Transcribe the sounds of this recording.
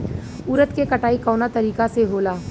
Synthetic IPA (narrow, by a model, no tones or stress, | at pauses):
ʊɾət̪kekɐʈaːikɔːnat̪ɐɾiːkaseɦoːlaː